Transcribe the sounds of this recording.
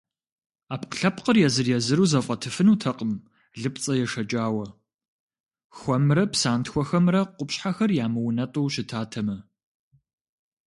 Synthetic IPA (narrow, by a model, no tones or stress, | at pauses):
aːpqəɬɐpqərjɛzɨrjɛzɨɾuːzɐfʼɐtʰɨfɨnuːtʰɐqʼəm | ɮɨpt͡sʼɐjɛʂɐt͡ʃʼaːwɐ | xʷɔmrɐpsaːntxʷɔxɐmrɐqʷʊpɕħaxɐrjaːmɨwnɐtʼowɕɪtʰaːtʰɐmɐ